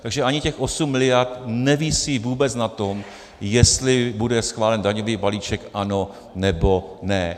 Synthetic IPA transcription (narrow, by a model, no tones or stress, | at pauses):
t̪aɡʒɛʔaɲɪcɛxʔo̞sumːɪlɪjaɾt̪nɛvisivuːbɛt͡snat̪o̞m | jɛst̪lɪbudɛsxvaːlɛndaɲo̞viːbaliːt͡ʃɛkʔano̞ | nɛbo̞nɛ